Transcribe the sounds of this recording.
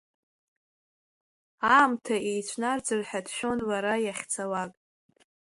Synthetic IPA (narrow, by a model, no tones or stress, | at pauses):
aːmtʰaejt͡ɕʷʰnard͡zɨrħadʃᶣo̞nwaɾajaχʲt͡sʰawakʼ